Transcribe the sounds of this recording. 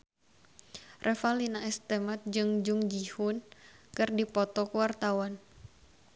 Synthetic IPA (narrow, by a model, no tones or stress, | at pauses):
rʔɛfalinaɛst̪emat̪̚d͡ʒɨŋd͡ʒuŋd͡ʒihʊnkɨrdipɔt̪ɔkəwart̪awan